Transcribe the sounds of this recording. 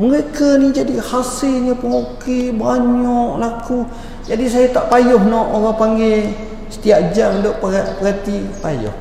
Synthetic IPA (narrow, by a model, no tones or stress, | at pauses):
məɾekənid͡ʒadihasɪlɲəpəlokibaɲɔʔlaku | d͡ʒadis̬ajat̪aʔpajʊhnɔʔoɾapaŋɡe | sə̥t̪iaʔd͡ʒamdoʔpapəɡat̪ipajʊ̰h